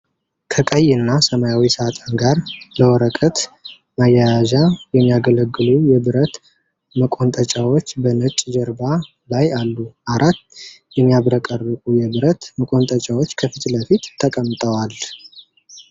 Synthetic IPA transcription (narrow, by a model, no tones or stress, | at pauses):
kʰəkʼəjːɨnːasəmajawisɨat̪ʼanɡaɾləwɔɾəkʼət̪ | majajaʒajɛmːijaɡələɡːɨlujɛβɨɾət̪ | məkʼont̪ʼət͡ʃʼawot͡ʃːbənət͡ʃʼd͡ʒəɾba | lajalːuʔaɾat̪ː | jɛmːijaβɾəkʼərːɨkʼujɛβɨɾət̪məkʼo̞nt̪ʼət͡ʃʼawot͡ʃːkʰəfit̪ləfit̪ːʰəkʼəmt̪ʼəwal